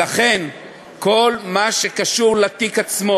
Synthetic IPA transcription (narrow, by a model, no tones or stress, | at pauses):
aχe̞n | ko̞lmaʃekaʃuʁlat̪ikat͡smo